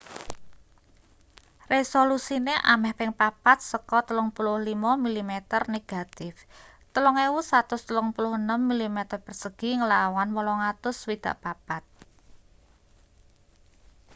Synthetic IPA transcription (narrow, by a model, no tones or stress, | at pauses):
resolusineʔa̰mɛhpɪŋpapat̪̚səkɔt̪əlʊŋpulʊhlimɔmilimet̪ərneɡ̥a̤t̪ɪf | t̪əlɔŋewusat̪ʊst̪əlʊŋpulʊhənəmːilimet̪ərpərsəɡ̥i̤ŋəlawanwəlɔŋat̪ʊswid̪̥a̤̰ʔpapat̪̚